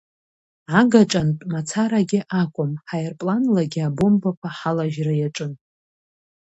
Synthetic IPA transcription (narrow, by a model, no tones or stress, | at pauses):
aɡaʈ͡ʂʼantʼmat͡sʰaɾaɡʲɪʔakʷʼʊmħajrpʼlanlaɡʲɪabombakʷʰaħalaʒrajaʈ͡ʂʼɨn